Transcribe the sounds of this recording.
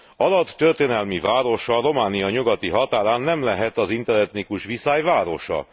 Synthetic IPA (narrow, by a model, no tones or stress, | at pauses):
ɒlɒt̪ːørt̪eːnɛlmivaːɾo̞ʃɒro̞maːnijɒɲuɡɒt̪iɦɒt̪aːɾaːnːɛmlɛɦɛt̪ɒzint̪ɛlɛt̪nikuʃʋisaːjvaːɾo̞ʃɒ̰